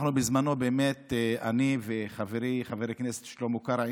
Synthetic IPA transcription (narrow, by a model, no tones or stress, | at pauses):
χnubizmano̞beːmet̪eaniveχaveɾiχaveɾeknese̥tʃelomukaɾa